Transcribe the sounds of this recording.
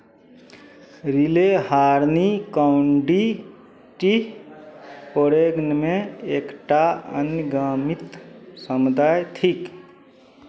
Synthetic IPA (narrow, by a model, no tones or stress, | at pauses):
ɾilehaːɾnikaʊɳɖi | ʈi | poɾeːɡnmẽeːkʈaə̰nɡaːmɪt̪səmud̪ʱaːjt̪ʰik